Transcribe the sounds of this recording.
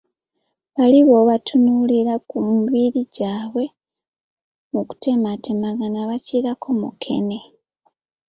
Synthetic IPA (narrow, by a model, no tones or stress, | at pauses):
βaliβo̞βatʰunuliɾakumβiɾiɟaːβwe̞ | muku̥te̞matemaɡanaβaciɾakʰomṵkʰe̞̰ne̞